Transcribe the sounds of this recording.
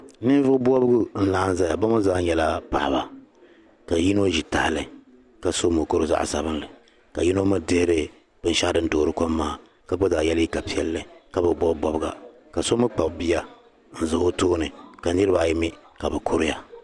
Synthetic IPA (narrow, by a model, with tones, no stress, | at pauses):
nɨ˦vʊ˦ʊ˦bɔ˦bɨ˦ɡʊ˦n̩˦laː˦n˦za˦ja˨ba˦ma˦zaː˦ɲɛ˨la˦pa̰˨ʔba˨ | ka˨ji˦no˦ʒi˨ta̰˦˨lɨ˨˦ | ka˨so˦mɨ˨ko˦ɾɨ˦za̰˦ʔsa̰˨bɨ˦nlɨ˨ | ka˨ji˦no˦mɨ˦de˦ɾɨ˦ | b̥ɨ˦n̩˦ʃa˦dɨ˦n̩˦doː˨ɾɨ˦ko˦mːaː˦˨ | ka˨bo˦zaː˨jɛ˦li˦ka˨pi˦ɛ˦lːɨ˦ka˨bɨ˨bɔ˦bbɔ˦bɨ˦ɡa˨ | ka˨so˦mɨ˦k͡pa˨bbi˦a˦ | n̩˦zɨ˨o˦toː˦nɨ˨ka˨nɨ˦ɾɨ˦ba˨ji˦mi˦ | ka˨bɨ˨kʰo˦ɾɨ˦ja˨